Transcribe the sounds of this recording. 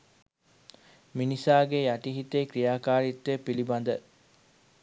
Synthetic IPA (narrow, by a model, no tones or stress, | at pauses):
minisaːɡejɐʈiɦit̪eːkɾijaːkaːɾit̪ːepilibɐnd̪ə